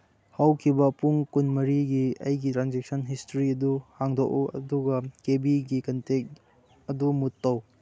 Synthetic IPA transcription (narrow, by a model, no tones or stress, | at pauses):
hɐwkʰibɐpuŋkunmɐɾiɡiɐjɡitɾanzek̚sɐnɦistɾiɐduhaŋdok̚uɐ̰duɡɐkebiɡikɐntek̚t | ɐdumutːow